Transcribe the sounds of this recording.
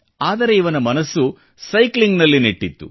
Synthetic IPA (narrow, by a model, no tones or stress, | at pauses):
aːd̪ɐɾe̞iʋɐnɐmɐnɐsːu | sɐjkliŋɡnɐlːineʈːit̪ːṵ